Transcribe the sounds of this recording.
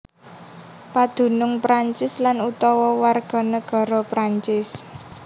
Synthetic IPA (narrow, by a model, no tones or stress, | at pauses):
pad̪̥ṳnʊŋpɾaɲt͡ʃɪslanut̪ɔwɔwarɡ̥ɔ̤nəɡ̥ɔ̤ɾɔpɾaɲt͡ʃɪs